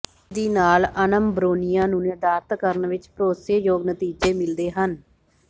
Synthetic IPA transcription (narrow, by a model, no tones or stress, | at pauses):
d̪iːnaːlənəmbɾoːnɪjãːnũːned̪aːɾt̪kəɾənʋɪt͡ʃpəɾoːseːjoːɡnət̪iːd͡ʒeːmɪld̪eːɦən